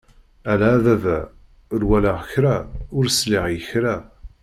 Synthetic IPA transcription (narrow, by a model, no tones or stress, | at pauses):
ælæːðæðæ | ʊɾwæləʁəçɾæʊɾsliʁjəçɾæ